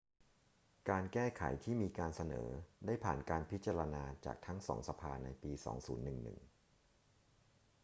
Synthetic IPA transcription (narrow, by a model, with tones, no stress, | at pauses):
kaː˧nkɛː˥˩kʰa̰˩˦jt̪ʰiː˥˩miː˧kaː˧nsa˧nɤ̰ː˩˦daː˥˩jpʰaː˨˩nkaː˧npʰi˦˥t̪̚t͡ɕa˧ɾa˧naː˧t͡ɕa̰ː˨˩k̚t̪ʰa˦˥ŋsɔ̰ː˩˦ŋsa˧pʰaː˧na˧jpiː˧sɔ̰ː˩˦ŋsṵː˩˦nːɯ˨˩ŋnɯ̰˨˩ŋ